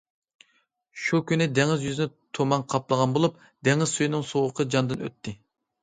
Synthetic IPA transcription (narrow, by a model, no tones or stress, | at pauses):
ʃukʲynɪd̪ɛŋɪzjyzɪnɪt̪ʰomɑŋqʰɑplˠəʁɑnbolˠup̚ | d̪ɛŋɪz̥sujinɨŋsoʁəqʰəd͡ʒɑnd̪ɨnø̰t̪ʰːɪ